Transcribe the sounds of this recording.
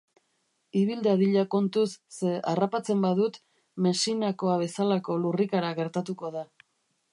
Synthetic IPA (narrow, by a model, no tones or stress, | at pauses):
iβild̪aðiʎako̞nt̪usːeʔarapat͡se̞mbaðut̪ | me̞sinako̞aβ̞e̞salako̞lurikaɾaɣe̞ɾt̪at̪uko̞ða